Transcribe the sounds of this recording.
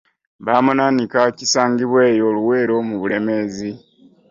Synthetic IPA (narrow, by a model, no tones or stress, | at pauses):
βaːmunanikacisaːŋɡiβweːjo̞luwe̞ːɾo̞muβule̞me̞ːzi